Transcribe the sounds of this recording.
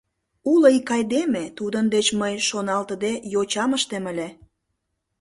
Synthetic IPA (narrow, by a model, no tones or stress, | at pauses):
uləikɑjd̪emet̪ud̪ənd̪et͡ɕməjʃonɑlt̪əd̪ejot͡ɕɑməʃt̪eməlʲe